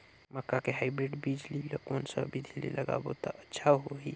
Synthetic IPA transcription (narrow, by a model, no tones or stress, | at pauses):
məkːakeɦaɪbɾeɖbid͡ʒlilokoːnsa̰bʱid̪ʱilḭləɡa̰ːbot̪aʔətːʃʰaɦoɦi